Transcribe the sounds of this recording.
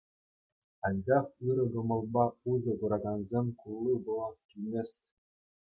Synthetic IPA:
ɑnʲd͡ʑɑχɯɾɤ̆ɡɤ̆mɤ̆lˠbɑuzʲɤ̆kuɾɑɡɑnzʲemʲkulˠːubɤ̆lˠɑskʲilʲmʲesʲtʲ

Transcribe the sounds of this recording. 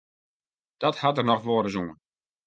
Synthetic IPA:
d̥ɔthatərnɔxʋoːɾəzuŋən

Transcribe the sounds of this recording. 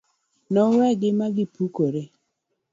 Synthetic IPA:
nɔɾɛɡɪmaɡɪpukoɾe

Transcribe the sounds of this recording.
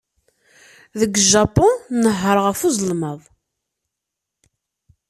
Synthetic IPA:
ðəɡʒapʊnːəɦːəɾˤʁəfuzˤəlməðˤ

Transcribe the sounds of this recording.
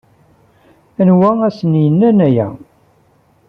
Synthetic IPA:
ænwææsənjənːænæjæ̰

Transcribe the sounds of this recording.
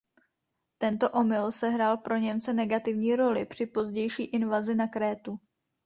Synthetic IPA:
t̪ɛnt̪o̞ʔo̞mɪlsɛɦɾaːlpɾo̞ɲɛmt͡sɛnɛɡat̪ɪvɲiːɾo̞lɪpr̝̥ɪpo̞zɟɛjʃiːʔɪnvazɪnakɾɛːt̪u

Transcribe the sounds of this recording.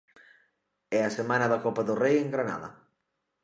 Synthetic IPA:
ɛasemanaðɐkɔpaðʊrejeŋɡɾana̰ðɐ̰

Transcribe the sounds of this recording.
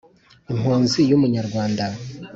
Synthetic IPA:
imhuːnzijumuɲaɾɡwaːnda

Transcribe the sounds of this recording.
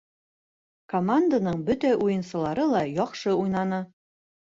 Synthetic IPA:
komand̪anɤɴbɵt̪æʔujɤ̆nsɤ̆lˠɑɾɤlˠɑjɒqʃɤujnɑnɤ

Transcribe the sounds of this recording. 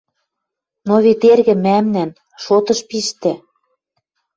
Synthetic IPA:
noβet̪erɣɘ̆mæmnæn | ʃot̪ɤ̆ʃpiʃt̪ĕ

